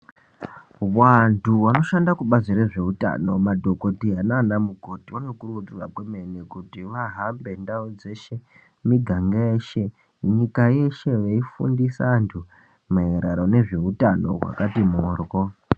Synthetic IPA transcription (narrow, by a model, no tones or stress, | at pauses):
wantʰuʋano̞ʃandakuɓaziɾe̞ʐe̞uta̰no̞̰madʱo̞ko̞tiɦananamuɡʱo̞tiʋanokurutirwakwemenekutiʋaɦambe̞ndaud͡ze̞ʃe̞ | miɡʱaŋɡaeːʃe̞ | ɲikaje̞ʃe̞ʋeifṵndisaantʰu | maeɾaɾone̞ʐe̞utano̞̰ɦwa̰katimoːrɡo